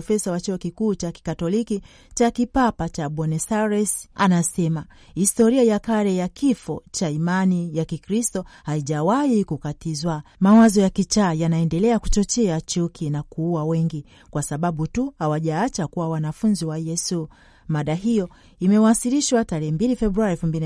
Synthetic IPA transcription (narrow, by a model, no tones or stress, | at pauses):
fɛsawat͡ʃuɔkikuːt͡ʃaki̥katɔliki | t͡ʃakipapat͡ʃaɓɔnɛsaɾɛsanasɛma | histɔɾiajakaɾɛjakifɔt͡ʃaimanijakikɾistɔhaiʄawaikukatizwamawazɔjakit͡ʃaːjanaɛndɛlɛakut͡ʃɔt͡ʃɛat͡ʃukʰinakuuwawɛŋɡi | kwasaɓaɓutuhawaʄaat͡ʃakuwawanafunziwajɛsu | maɗaɦijɔ | imɛwasiliʃwataɾɛhɛmbilifɛɓɾuaɾiɛlfumbili